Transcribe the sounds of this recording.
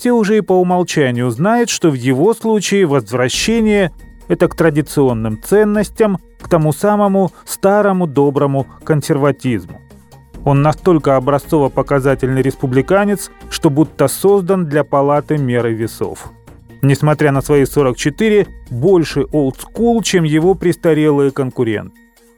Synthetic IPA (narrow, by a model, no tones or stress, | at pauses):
fsʲeʊʐɛɪpəʊmɐlˠt͡ɕænʲɪjʊznajʊt̪ʂt̪o̞vjɪvo̞slˠut͡ɕɪɪvəzvɾɐɕːenʲɪjə | ɛt̪əkt̪ɾədʲɪt̪sɨo̞nːɨmt̪sɛnːəsʲtʲəm | kt̪ɐmusaməmʊst̪aɾəmʊd̪o̞bɾəmʊkənsʲɪrvɐtʲizmʊ | o̞nːɐst̪o̞lʲkəɐbɾɐst̪so̞vəpəkɐzatʲɪlʲnɨɾʲɪspʊblʲɪkanʲɪt̪sʂt̪o̞but̪ːəso̞zd̪ənd̪lʲɐpɐlˠat̪ɨmʲeɾɨvʲɪso̞̰f | nʲɪsmɐt̪ɾʲanəsvɐjiso̞ɾəkt͡ɕɪt̪ɨɾʲɪbolʲʂɨʔolˠt̪skulˠt͡ɕemjɪvo̞pɾʲɪst̪ɐɾʲelˠɨjəkənkʊɾʲḛnt̪ɨ